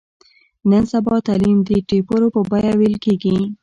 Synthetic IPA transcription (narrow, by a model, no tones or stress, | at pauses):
nənsabɑt̪alimd̪əʈepəɾopəbajawelkeɡi